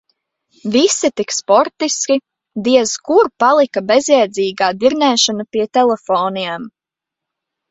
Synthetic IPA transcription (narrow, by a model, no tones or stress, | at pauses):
visit̪ikspɔɾt̪iskʲi | d̪iɛzkuɾpalˠikabezjɛjd̪ziːɡaːd̪iɾnɛːʃanapiɛt̪ɛlɛfoːniɛm